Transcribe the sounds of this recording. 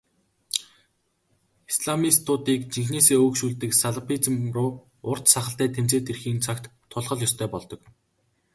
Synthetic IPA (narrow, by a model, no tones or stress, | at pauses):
isɮamist̪ʰʊːt̪iːkt͡ɕiŋxneːseːoːkʃuːɮt̪ɘ̆ksaɮapʰit͡s̆mrʊː | ʊr̥t̪saχə̆ɬt̪æːt̪ʰem̥t͡seːt̪erxiːnt͡sʰakt̪ʰːʊɮʁɞ̆ɮjɔst̪ʰœːpɔɮt̪ɞ̆k